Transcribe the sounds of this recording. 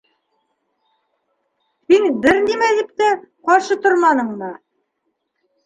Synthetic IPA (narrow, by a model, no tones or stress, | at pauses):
hiŋbɘɾnimæðɘp̚t̪ɘqɑɾʃɤt̪oɾmɑnɤ̆ɴmɤ